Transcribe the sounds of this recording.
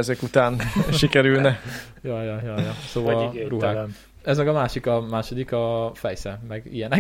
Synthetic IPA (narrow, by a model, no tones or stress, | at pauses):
ɛzɛkut̪aːnʃikɛɾylnɛ | jɒjɒjɒjɒsoːvɒruɦaː | ɛzmɛɡɒmaːʃikɒmaːʃod̪ikɒfɛjsɛmɛɡijɛnɛ